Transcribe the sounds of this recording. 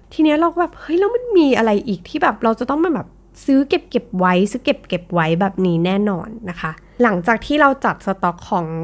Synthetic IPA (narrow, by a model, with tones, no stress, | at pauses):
t̪ʰiː˧ni˦˥ɐɾa˧wkbɛː˨˩p̚hɤ˦˥˩jla˧wma˧˥˩nmiː˧ʔa˧ɾa˧jʔiː˨˩k̚t̪ʰiː˥˩bɛː˨˩p̚ɾa˧wt͡ɕa˨˩t̪ɔ˥˩maː˧bɛː˨˩p̚ | sɯː˦˥ke˨˩p̚ke˨˩p̚wa˦˥jsɯː˦˥ke˨˩p̚ke˨˩p̚wa˦˥jbɛː˨˩p̚niː˦˥nɛː˥˩nɔ̰ː˧nːa˦˥kʰa˦˥ | la˨˩˦ŋt͡ɕaː˨˩k̚t̪ʰiː˥˩ɾa˧wt͡ɕa˨˩t̪̚sa˧t̪ɔ˦˥kʰːɔː˩˦ŋ